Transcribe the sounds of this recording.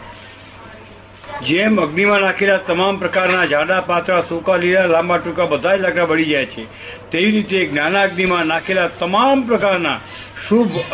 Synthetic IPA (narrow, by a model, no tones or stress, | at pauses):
d͡ʒeməɡnimãnakʰelat̪əmampɾəkaɾnad͡ʒʱãɽapat̪ɾasũkaliɾalãmbaʈũkabəd̪ʱajlaɡɾabəɽ̃id͡ʒajet͡ʃʰe | t̪eʋiɾit̪eɡnanaəɡnimãnakʰelat̪əmampɾəkaɾna | ʃubʱ